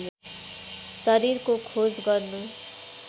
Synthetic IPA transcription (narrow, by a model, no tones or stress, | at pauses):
nu | sʌɾirkokʰod͡zɡʌrnu